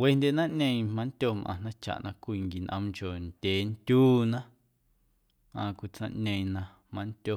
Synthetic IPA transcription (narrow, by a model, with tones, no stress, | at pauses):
we˧ndʲe˧˨nã˦ʔnẽ˧ĩ˧mã˧˦n˦t̪ʲjo˧˨mʔã̰˧˨nã˦t͡ʃa̰˨ʔnʔã̰˧kʷiː˧ŋɡi˨nʔə̰̃˧mt͡ʃo˨nd̥ʲeː˨nt̪ʲuː˦nã˦ | ã̰ː˧kʷi˧˨t͡sã˧˨ʔɲẽ˧ĩ˧nã˧ | mã˧nt̪ʲjo˧˨